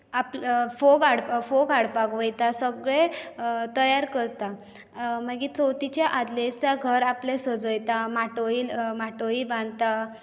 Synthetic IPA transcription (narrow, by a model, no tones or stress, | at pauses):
aplfoɡaɽfoɡaɽpaɡʋəjt̪asəɡɭẽt̪əjaɾkəɾt̪a | məɡit͡sowt̪it͡ɕjaʔad̪let͡saɡʱəɾaplesəd͡zəjt̪amaʈoilmaʈoibãnd̪t̪a